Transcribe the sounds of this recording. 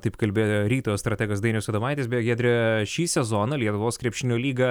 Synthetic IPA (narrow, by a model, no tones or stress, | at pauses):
t̪ɐɪpkɐlʲbʲeːjoːɾʲiːt̪oːjost̪ɾɐt̪ʲɛːɡoːsd̪ɐɪnʲɛʊsʲod̪ɐʋɐɪt̪ʲeːsbʲejɡʲɛd̪ʲɾʲɪʃʲiːsʲɛzoːnɐlʲiɛt̪ʊʋoːskɾʲiɛpʲʃʲɪnʲoːlʲiːɡɐ